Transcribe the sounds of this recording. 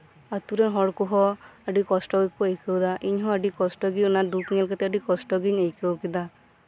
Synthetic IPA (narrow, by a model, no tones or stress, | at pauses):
at̪uɾɛnɦɔɽkuɦɔaɖikɔsʈɔɡikkuejkʰewd̪aʔiɲɦɔ̃aɖikɔsʈɔɡiunad̪ukŋɛlkɛt̪ɛaɖikɔsʈɔɡiɲejkewkid̪a